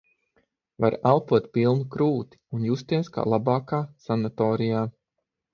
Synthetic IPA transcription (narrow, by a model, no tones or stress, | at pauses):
va̰ɾalˠpuɔt̪̚pʲilˠnukɾuːt̪i̥unjust̪iɛska̰ːlˠabaːkaːsanat̪ɔːɾijaː